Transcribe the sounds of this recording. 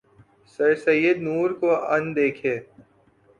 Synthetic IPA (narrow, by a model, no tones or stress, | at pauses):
sɐɾsɐjəd̪nuːɾkoɐ̃nd̪eːkʰeː